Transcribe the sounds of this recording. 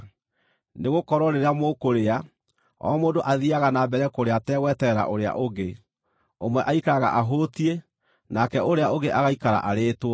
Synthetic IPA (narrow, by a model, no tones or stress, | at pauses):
neɣokɔɾwɔɾeɾeamokoɾea | ɔ̰moːdoʔaðiaɣanabɛɾɛkoɾeatɛːɣwɛtɛɾa̰ʔoɾea̰ʔoɣe | omwɛʔaikaɣa̰ʔaɦotie | nakɛoɾeaoɣeʔaɣaikaɾa̰ʔaɾeːtwɔ